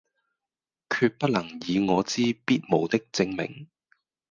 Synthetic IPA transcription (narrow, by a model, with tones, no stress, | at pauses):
kʰyː˧t̚pɐ˥t̚lɐ˨˩ŋjiː˨˧ŋɔː˨˧t͡siː˥piː˥t̚mo˨wt̪ɪ˥k̚t͡sɪ˧ŋmɪ̰˨˩ŋ